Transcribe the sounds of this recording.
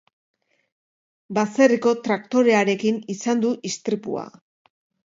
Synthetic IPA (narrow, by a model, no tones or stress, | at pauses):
baseriko̞t̪ɾakt̪o̞ɾe̞aɾe̞kinisand̪uʔist̪ɾipṵa̰